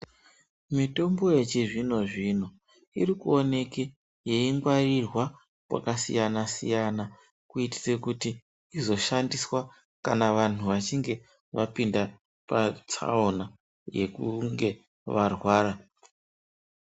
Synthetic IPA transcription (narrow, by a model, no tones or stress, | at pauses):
mito̞mbo̞je̞t͡ʃiʐino̞ʐino̞ | ḭrikuo̞ne̞ke | je̞iŋɡwarirwa | pwa̰kasḭjanasḭjana | kuiti̥sekutiː | zo̞ʃandiswa | kanaʋan̤uʋat͡ʃiŋɡe̞ | ʋapinda | pat͡sa̰ona | je̞̰kuŋɡe̞ | ʋarwaːɾa